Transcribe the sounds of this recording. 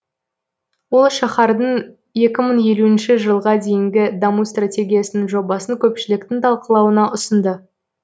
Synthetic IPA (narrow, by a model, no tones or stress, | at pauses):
wo̞lˠʃɑχɑɾd̪əɴ | je̞kʲɪməɴje̞luɪnʃɪʒəlˠʁɑd̪e̞jɪŋɡʲɪd̪ɑmust̪rat̪ʲe̞ɡʲijasənɪŋʒo̞bɑsəŋkʲʰɵpʃɪlɪk̚t̪ɪŋt̪ʰɑlˠqəlˠɑwənɑʔʊsənd̪ə